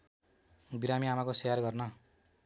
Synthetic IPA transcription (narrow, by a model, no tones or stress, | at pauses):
biɾamiamakosejarɡʌrnʌ